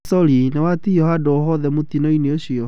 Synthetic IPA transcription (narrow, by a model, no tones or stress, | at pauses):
sɔɾinewatijɔhadɔoɦɔðɛmot̪inɔineoɕiɔ